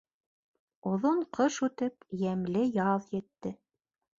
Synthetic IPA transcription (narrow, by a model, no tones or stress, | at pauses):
ŏðoɴqʰɤʃʉt̪ɘpjæmlɘjɑðjɘ̆t̪ːɘ